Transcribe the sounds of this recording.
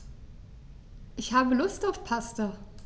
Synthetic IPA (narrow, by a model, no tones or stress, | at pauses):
ʔɪçhaːbəlʊstaʊfpʰastɐ